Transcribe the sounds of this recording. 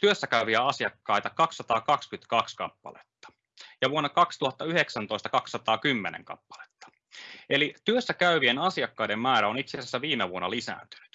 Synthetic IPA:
t̪yøsːækæyʋiæɑsijɑkːɑjt̪ɑkɑksːɑt̪ɑːkɑkskyt̪kɑkskɑ̰pːɑ̰let̪ːɑ̥ | jɑʋuonːɑkɑkst̪uhɑt̪ːɑyheksænt̪o̞ist̪ɑ̥kɑksːɑt̪ɑːkymːenḛŋkɑ̰pːɑ̥le̥t̪ːɑ̥ | e̞lit̪yøsːækæyʋienɑsiɑkːɑjde̞mmæːɾæo̞nit̪sesæsːæʋiːmeʋuonːɑlisæ̰ːnt̪y̥ny̥t̪

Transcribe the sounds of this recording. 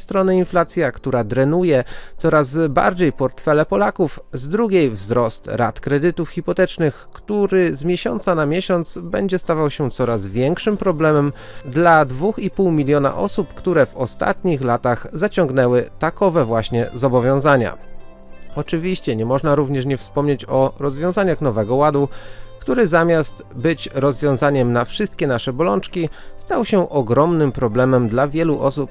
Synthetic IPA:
st̪ɾɔnɘinflat̪sʲjakt̪uɾad̪ɾɛnujɛt̪sɔɾazba̰ɾd͡ʑejpɔɾt̪fɛlɛpɔlakufzd̪ɾuɡʲejvzɾɔst̪ɾa̰t̪kɾɛd̪ɘt̪ufxʲipɔt̪ɛt͡ʂnɘxkt̪uɾɘzmʲjɛɕɔnt̪sanamʲjɛɕɔnt̪sbɛɲd͡ʑɛst̪avawɕɛt̪sɔɾazvʲjɛŋkʂɘmpɾɔblɛmɛm | d̪lad̪vuxipuwmʲilʲjɔna̰ʔɔsupkt̪uɾɛvɔst̪a̰t̪ɲixlat̪aɣzat͡ɕɔ̃ŋɡnɛwɘt̪akɔvɛvwaɕɲɛzɔbɔvʲjɔ̃w̃zaɲa̰ | ɔt͡ʂɘvʲiɕt͡ɕɛɲɛmɔʐnaɾuvɲɛʂɲɛfspɔmɲet͡ɕɔɾɔzvʲjɔ̃w̃zaɲaxnɔvɛɡɔwad̪ukt̪uɾɛzamʲjast̪bɘt͡ɕɾɔzvʲjɔ̃w̃zaɲɛmnafʂɘst̪̚kʲɛnaʂɛbɔlɔnt͡ʂkʲist̪awɕɛʔɔɡɾɔmnɘmpɾɔblɛmɛmd̪lavʲjɛluʔɔsup̚

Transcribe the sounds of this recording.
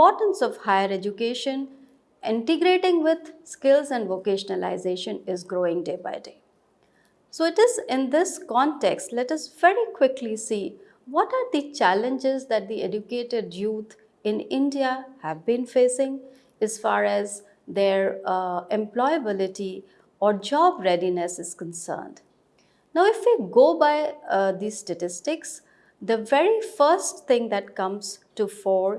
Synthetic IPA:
pɔːɾʈə̃nsɔʋhaɪəɾed͡ʒʊkeːʃə̃n | ʔɪ̃ɳʈəɡɾeːʈɪ̃ŋʋɪd̪skɪlzɛ̃ɳɖʋokeːʃənəla̰ɪzeːʃə̃nɪzɡɾoːɪ̃ŋɖeːba̰ɪɖeː | soːɪʈɪzɪ̃nd̪ɪskɔ̃nʈeksʈlɛʈɐsʋɛɾikwɪklisiː | ʋɔʈaːɾd̪it͡ʃælə̃nd͡ʒɪzd̪æʈ̚d̪ied͡ʒʊkeːʈeɖjuːt̪ʰ | ɪ̃nɪ̃nɖiahæʋbĩnfeːsɪ̃ŋ | æz̥fa̰ːɾæz | d̪eɾɛ̃mplɔɪəbɪlɪʈi | ɔːɾd͡ʒɔːbɾɛɖinesɪz̥kə̃nsə̰ːnɖ | naʊɪfʋiɡoːbaɪd̪iːzsʈəʈɪsʈɪks | d̪əʋɛɾifəːsʈt̪ʰɪ̃ŋd̪æʈkʌ̃mz̥ʈufɔːɾ

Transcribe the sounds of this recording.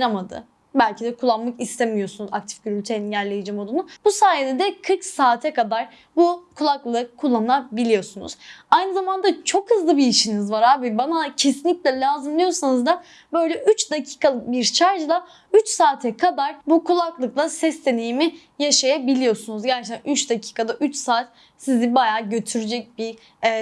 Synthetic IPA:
ɾamad̪ɯ̰ | bælʲcʰid̪ɛkʰulˠːanmakist̪ʰemijo̞sunuzak̚t̪ʰi̥fɟyɾylʲt̪ʰenninɟæɾlʲe̞jid͡ʒimo̞d̪unub̥usaːjed̪ɛd̪ɛkʰɯɾksaːt̪ʰɛkad̪aɾ | bukʰulˠaklˠɯkkʰːulˠːanabilʲijo̞sunṵz̥ajnɯzamand̪at͡ʃʰo̞khɯzlˠɯbiːʃinizvaɾhaːbibanacʰe̞sinlʲicʲlʲɛlʲaːzɯmlˠijo̞sanɯzd̪a | bø̞jlʲɛʔyt͡ʃd̪acʰi̥ːkʰalˠɯbiɾt͡ʃʰaɾd͡ʒɯlˠa | yt͡ʃsaːt̪ʰɛkʰad̪aɾbukʰulˠaklˠɯklˠasɛst̪e̞nijimi | jaʃajabilʲijo̞sunuzɟæɾt͡ʃet̪æanʔyt͡ʃd̪acʰi̥ːkʰad̪aʔyt͡ʃsaːt̪ | sizibajaːɟø̞t̪ʰyɾyd͡ʒɛc̚biː

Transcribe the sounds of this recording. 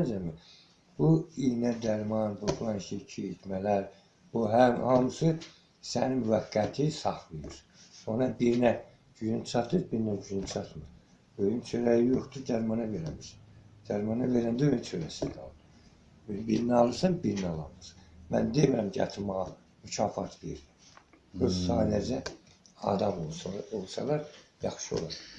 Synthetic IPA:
nd͡ʒæmi | b̥uinæd̪æɾmɑnbuflˠɑnʃicʰiet̪mælæɾ | b̥uɦæhɑmsɯ | sæninmyvæɡːæt̪ʰisɑxlˠɯjuɾ | onɑbiɾnæ | d͡ʒyjynt͡ʃʰɑt̪ʰɯɾbiɾnæd͡ʒyjynt͡ʃʰɑt̪mɯɾ | øjymt͡ʃʰøɾæjijoχt̪ud̪æɾmɑnɑveɾæniʃæ̥nd̪̥æɾmɑnɑve̞ɾænd̪æøjymt͡ʃʰøɾæsid̪ɑ̰lˠɯɾ | biɾnɑlˠɯɾsɑnbiɾinɑlˠɑ̰mɯɾmæ̰nd̪emiɾæmcʰɑ̰t̪ʰɾmɑɣɑ | mycʰɑːfɑt̪ʰvḛiɾlæ | øzsɑːlæd͡ʒæɑ̰d̪ɑmolˠolˠsɑ̰lˠɑɾjɑxʃio̞̰lˠɑɾ

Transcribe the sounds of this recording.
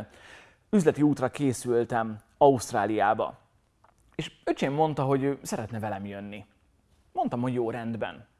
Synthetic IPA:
yzlɛt̪iuːt̪rɒkeːsylt̪ɛm | ɒust̪raːlijaːbɒ̰ | eːʃøt͡ʃeːmːo̞nt̪ɒɦo̞ɟøːsɛɾɛt̪nɛvɛlɛmjønːi | mo̞nt̪ɒmho̞ɟjoːɾɛnd̪bɛ̰n

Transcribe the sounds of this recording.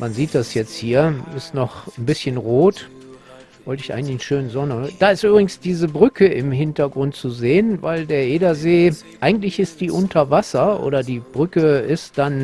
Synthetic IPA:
manziːt̚d̥asjɛt͡sthiːɐɪstnɔχn̩bɪsçənʁoːt | vɔltɪçʔa̰ɪɡŋ̩tlɪçn̩ʃøːnnzɔnəd̥aːɪstʔyːbʁɪɡŋ̩sd̥iːzəbʁʏkʰəɪmɦɪntɐɡʁʊntt͡suzeːənvaɪldeːɐʔeːdɐzeː | ʔaɪɡŋ̩tlɪçɪstd̥iːʔʊntʰɐvasɐʔo̰ːɾɐdiːb̥ʁʏkəɪst̚d̥an

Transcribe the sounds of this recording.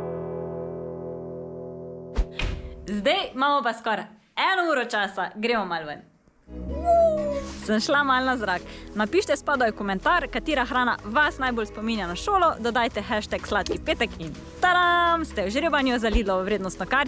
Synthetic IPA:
zd̪ɛjmaːmɔpaskɔɾ | ɛnɔuːɾɔt͡ʃasaɡɾeːmɔmalʋən | səmʃlamalnazɾaknapiːʃt̪ɛspaːd̪ɔjkɔmɛnt̪aɾkat̪iːɾaxɾaːna̰ʋasnajboːlspɔminjanaʃoːlɔd̪ɔd̪aːjt̪ɛxɛʃt̪ɛkslaːt̪kipeːt̪ɛkin | t̪aɾamst̪ɛwʒɾeːbanjɔzaliːlɔʋɾeːd̪nɔst̪nɔkaɾ

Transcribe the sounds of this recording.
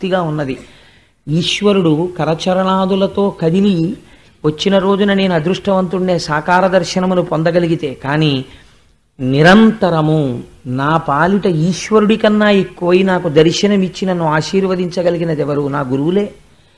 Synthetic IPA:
t̪iɡaːunːɐd̪i | iːʃʋɐɾuɽukɐɾɐt͡ʃɐɾɐɳaːd̪ulɐt̪o̞ːkɐd̪ili | ʋɐt͡ʃːinɐɾo̞ːd͡ʒunɐne̞ːnuɐd̪ɾuʂʈɐʋɐnt̪uɳɖe̞ːsaːkaːɾɐd̪ɐɾʃɐnɐmunupɔnd̪ɐɡɐliɡit̪e̞ːkaːniː | niɾɐnt̪ɐɾɐmu | naːpaːliʈɐiːʃʋɐɾuɽikɐnːaːekːuʋɐjinaːkud̪ɐɾʃɐnɐmit͡ʃːinɐnːuaːʃiːɾʋɐd̪iɲt͡ʃɐɡɐliɡinɐd̪ɛʋɐɾunaːɡuɾuʋule̞ː

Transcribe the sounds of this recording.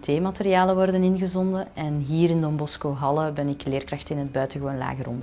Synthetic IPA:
tʰeːmɑterjaːləʋɔrdənɪnɣəzɔndəʔɛnɦiːɾɪndɔmbɔskoːɦɑləbɛnɪkleːrkrɑxtɪnənbœɥtəɣəʋoːnla̰ːɣəɾɔ̰ndə

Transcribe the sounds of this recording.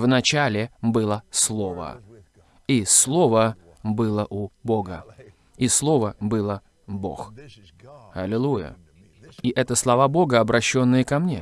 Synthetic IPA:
vnɐt͡ɕælʲɪbɨlˠəslˠo̞və̰ | islˠo̞və | bɨlˠəʔʊboɡə | islˠo̞vəbɨlˠə | bo̞̰x | ɐlʲɪlˠujə̰ | iʔɛt̪əslˠɐvabo̞ɡəɐbɾɐɕːo̞nːɨjəkɐmnʲe

